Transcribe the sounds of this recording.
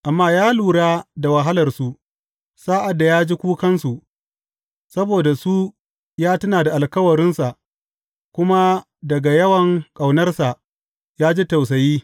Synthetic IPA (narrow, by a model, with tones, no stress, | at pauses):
ʔa˨mːaː˦jaː˦luː˨ɽaː˦da˨wɐ˨ɦa˦lɐ˨rsu˨ | saː˦ʔa˨dːa˨jaː˦d͡ʒi˦kʷuː˦kɐ˦nsu˨ʔ | sɐ˦boː˨da˨su˦ | jaː˦tʊ˦naː˨da˨ʔa˨lkɐ˦wɐ˨ɾɪ˦nsa˨ʔ | kʷʊ˦ma˦ | dɐ˨ɡa˨jɐ˦wɐ˨ŋkʼa˨wnɐ˦rsa˨ʔ | jaː˦d͡ʒi˦ta˨ws̬ɐ˨jiː˦